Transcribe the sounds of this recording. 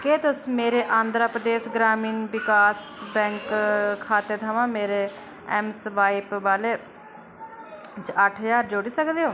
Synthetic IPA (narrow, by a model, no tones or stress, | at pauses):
keːt̪ʊsmeːɾeːʔãːnd̪ɾaːpɾəd̪eːsɡɾaːmiːnʋɪkaːsbɛ̃ːŋkkʰːaːt̪eːt̪ʰəʋãːmeːɾeː | ɛmsʋaːipʋaːleː | d͡ʒəʈʰjaːɾd͡ʒoːɽiːsəkd̪eːoː